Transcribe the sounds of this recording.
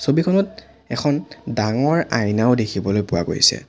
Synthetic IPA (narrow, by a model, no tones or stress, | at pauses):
sobikʰɔnɔt̚ | ɛkʰɔndaŋɔɹajnaʊdekʰibɔlojpʊwa̰ɡo̰jsɛ̰